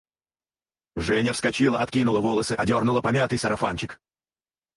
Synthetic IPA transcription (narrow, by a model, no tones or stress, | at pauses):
ʐɛnʲəfskɐt͡ɕilˠəɐt̪̚kʲinʊlˠəvolˠəsɨʔɐdʲo̞rnʊlˠəpɐmʲat̪ɨjsəɾɐfa̰nt͡ɕɪk